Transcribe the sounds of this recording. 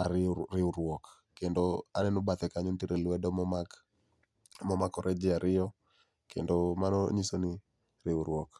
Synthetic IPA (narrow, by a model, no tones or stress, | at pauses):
aɾɪɾɪuɾwɔk | kendoanɛnʊbat̪ɛkaɲontiɾelwɛdɔmɔmak | mɔmakɔɾʔɛd͡ʒɪaɾʔɪɔ | kʰḛndomanɔɲisonɪ | ɾɪuɾwɔk